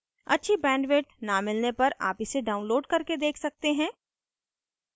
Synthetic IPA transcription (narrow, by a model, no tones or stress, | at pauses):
ɐ̰tːʃʰibɛ̃ːɳɖʋeːʈnamɪlnepɐɾa̰ːpɪseɖaːʊ̃nloːɖkɐɾked̪eːkʰsɐk̚t̪eɦɛ̃ː